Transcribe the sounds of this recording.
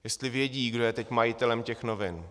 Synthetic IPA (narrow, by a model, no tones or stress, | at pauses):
jɛst̪lɪvjɛɟiːɡdo̞jɛt̪ɛcmajɪt̪ɛlɛmcɛxno̞vɪn